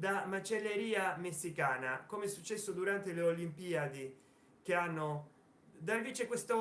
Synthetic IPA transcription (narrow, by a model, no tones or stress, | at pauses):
d̪amat͡ʃelːeɾiːamesːikaːnakomeɛsːut͡ʃːɛsːod̪uɾant̪eleolimpiːad̪i | keanːo | d̪aviːt͡ʃekwest̪o